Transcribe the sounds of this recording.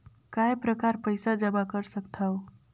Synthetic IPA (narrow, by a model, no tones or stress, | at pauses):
kaepɾəkaɾpəɪsad͡ʒəbakəɾsəkt̪ʰaw